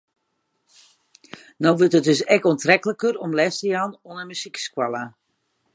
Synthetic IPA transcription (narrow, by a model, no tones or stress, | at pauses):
nowʋøtɦət̚døsɛkɔntrɛkələkəɾɔmlɛstəjanɔnəmysikskwalˠa